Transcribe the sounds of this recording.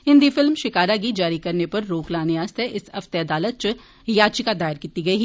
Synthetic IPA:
ɦɪ̃nd̪ifɪlmʃɪkaːɾaɡid͡ʒaːɾikɐɾnepɐɾːoːklaːneast̪ʰɛʔɪsɐft̪eɐd̪aːlət̪̚t͡ʃ | jaːt͡ʃikad̪aːɪɾkiːt̪iɡɐiːɦ

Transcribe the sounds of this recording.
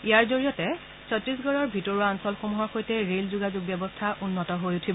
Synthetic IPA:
ijaɹzoɹijɔtɛ | sʰɔtɹis̬ɡɔɹɔɹbʱitɔɹuansɔlxomuɦaxojtɛɹelzuɡazuɡ̚bjɛbɔstʰaʔunːɔtɔɦojutʰibɔ

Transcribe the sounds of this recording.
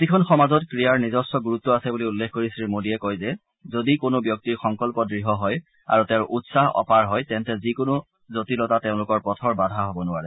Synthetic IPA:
tikʰɔnxɔmazɔtkɹijaɹnizɔsɔɡuɹutːɔasɛbuliulːekʰkoɹisɹimodiɛkojzɛ | zodikonobjɔk̚tiɹxɔŋkɔlpɔdɹiɦɔɦɔj | a̰ɹutɛʊ̃ʔutsaɦɔ̰paɹɦɔjtɛntɛzikonʊ | zotilɔtateʊ̃lʊkɔɹpɔtʰɔɹbadʱaɦobɔnʊaɹɛ

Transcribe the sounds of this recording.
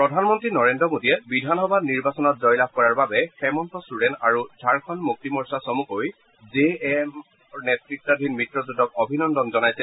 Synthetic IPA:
pɹɔdʱanmɔntɹinɔɹendɹɔmodiɛbidʱanxɔbaniɹbasɔnɔt̚zɔjlab̚kɔɹaɹbabɛxɛmɔntɔstudɛntaɹuzʱaɹkʰɔnmuk̚timɔɹsasɔmukoj | zem | nɛtɹik̚tɔdʱinmitɹɔzudɔkɔbʱinɔndɔnzɔnajsɛ

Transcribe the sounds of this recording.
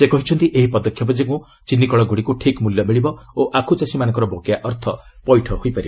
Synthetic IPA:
sekɔɦit͡ʃʰɔnt̪iʔeɦipɔd̪ɔkʰːjɔbɔd͡ʒekũ | t͡ʃinːikɔɭɔɡuɽikuʈʰikmuljɔmeɭibɔoʔakʰut͡ʃasimanɔŋkɔɾɔbokjaʔɔɾt̪ʰɔpɔjʈʰɔɦojpaɾib

